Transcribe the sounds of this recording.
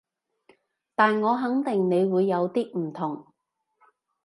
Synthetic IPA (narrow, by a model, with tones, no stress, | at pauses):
t̪aː˨nŋɔː˨˧ɦɐ˨˥ŋt̪ɪ˨˩ŋne˨˧jwuː˨˧jːɐ˨˧wt̪iː˥m̩˨˩t̪ʰʊ˨˩ŋ